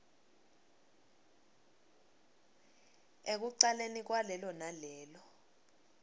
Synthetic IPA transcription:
ek̬uǀalenik̬walɛlɔnalɛːlɔ

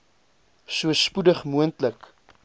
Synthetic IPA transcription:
suəspudəχmuəntlək

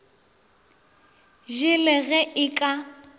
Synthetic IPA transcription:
ʒɪlɛɣɛʔɪkʼa

